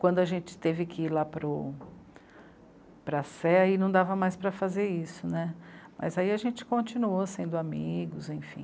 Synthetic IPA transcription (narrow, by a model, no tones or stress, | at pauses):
kwɐ̃nd̪ʊɐʒẽnt͡ʃɪ̥t̪evɪkɪilapɾʊ | pɾɐsɛɐinɐ̃w̃d̪avɐmajspɾɐfazeɾisʊnɛmʔɐ̰zaiɐʒẽnt͡ʃɪ̥kõnt͡ʃinuosẽnd̪ʊamiɡʊzẽj̃fḭ̃